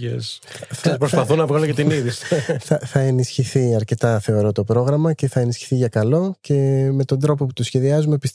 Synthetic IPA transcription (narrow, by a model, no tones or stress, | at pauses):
ḛs | θpɾospɐθunɐvɣɐlojɐt̪iniðisθɐθɐe̞nisçiθiɐɾce̞t̪ɐθe̞o̞ɾo̞t̪o̞pɾo̞ɣɾɐmɐce̞θɐe̞nisçi̥θiʝɐkɐlo̞ce̞me̞t̪o̞nd̪ɾo̞po̞pu̥t̪usçe̞ðiɐzume̞pis